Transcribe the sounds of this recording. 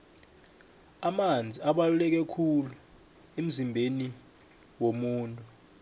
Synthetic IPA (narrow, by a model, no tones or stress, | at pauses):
amand͡zʱiaɓalulɛk̬ɛkʰulu | em̩zimbʱeni | womuːntʼu